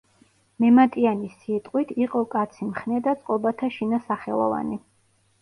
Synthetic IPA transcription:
mɛmat̪ʼianisit̪ʼqʼwit̪ʰiqʼɔkʼat̪sʰimχnɛd̪at̪sʼqʼɔbat̪ʰaʃinasaχɛlˠɔ̰va̰ni

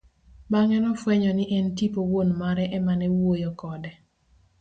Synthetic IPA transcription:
baŋɛnɔfwɛɲɔnɪʔɛntipowonmaɾɛʔɛmanɛwojɔkɔdɛ

